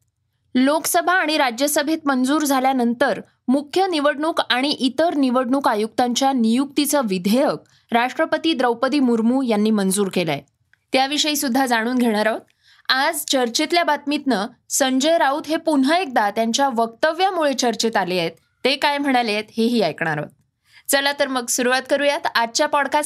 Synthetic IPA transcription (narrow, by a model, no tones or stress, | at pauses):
lokəsəbʱaːɽ̃iɾad͡ʑjəsəbʱet̪mənd͡zuːɾd͡zʱaljanənt̪əɾ | mukʰjəniʋəɽɳuːkaɽ̃iʔit̪əɾniʋəɽɳuːkajuk̚t̪aɲt͡ɕjanijuk̚t̪it͡səʋid̪ʱejək̚ | ɾaʂʈɾəpət̪iːd̪ɾəwpət̪iːmuɾmuːjanːiːmənd͡zuːɾkela̰e | t̪jaʋiʂəiːsud̪ʱːad͡zaɽ̃uːnɡʱeɽ̃aɾaʋt̪̚ | ad͡zt͡ɕəɾt͡ɕet̪ljabat̪mit̪nəsəɲd͡ʑəjɾaud̪ɦepunɦəek̚d̪at̪jaɲt͡ɕjaʋək̚t̪əʋjamuɭet͡ɕəɾt͡ɕet̪alejet̪ːekajm̤əɽ̃aljet̪ɦeɦiːajkɳ̃aɾa̰t̪ | t͡səlat̪əɾməɡsuɾuʋat̪kəɾujat̪ad̚t͡ɕjapɔɽka